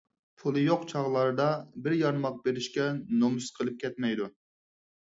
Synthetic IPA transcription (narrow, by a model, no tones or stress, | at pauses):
pʰulˠɨjoqt͡ʃʰɑʁlˠɑɾɨd̪ɑbɪɾjɑɾmɑq̚beɾɪʃkʲɛnomusqʰəlˠɨp̚kʲʰɛt̪mɛjd̪u